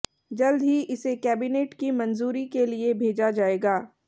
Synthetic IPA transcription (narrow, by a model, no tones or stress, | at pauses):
d͡ʒɐld̪ɦiʔɪsekɛːbineːʈkimɐ̃nzuːɾikeliebʱeːd͡ʒad͡ʒaːeːɡaː